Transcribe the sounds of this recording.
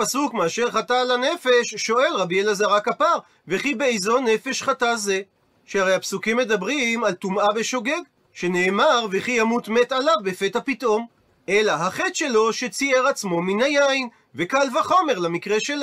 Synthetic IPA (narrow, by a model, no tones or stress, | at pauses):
pasukmeaʃe̞ʁχatalane̞fe̞ʃːo̞e̞lʁabielazaʁakapaʁ | veχibeejzo̞ne̞fe̞ʃχataze̞ | ʃehaʁejapsukimːe̞d̪abʁimalt̪umabeʃo̞ɡe̞ɡ | ʃe̞ne̞ːmaʁveχijamut̪met̪alavbefet̪hapit̪ʔo̞m | ʔelaɦaχet̪ʃe̞lo̞ʃet͡sieʁat͡smo̞minhajain | vekalvaχo̞me̞ʁlamikʁeʃel